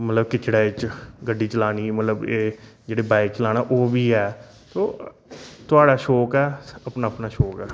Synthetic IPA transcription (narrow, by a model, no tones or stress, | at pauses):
mət̪ləb̚kɪt͡ʃɽaːɪt͡ʃɡəɖːiːt͡ʃəlaːniːmət̪ləbeːd͡ʒeːɽeːbaːɪkt͡ʃəlaːnaːʔoːʋiːɛː | t̪oː | t̪ʊaːɽaːʃoːkɛːəpnaːəpnaːʃɔːkɛː